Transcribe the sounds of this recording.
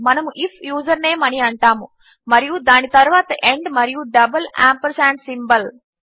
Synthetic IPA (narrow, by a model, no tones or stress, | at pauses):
mɐnɐmuʔipʰjuːzɐɾne̞ːmɐniɐɳʈaːmu | mɐɾijud̪aːnit̪ɐɾuʋaːt̪ɐʔe̞ɳɖmɐɾijuɖɐbɐla̰ːmpɐɾsaːɳʈsimbɐl